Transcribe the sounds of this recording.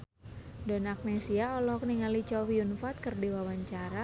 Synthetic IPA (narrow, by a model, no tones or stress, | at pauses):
dɔnak̚nesiaɔlɔkniŋalit͡ʃɔwiunfat̪̚kərdiwawaɲt͡ʃaɾa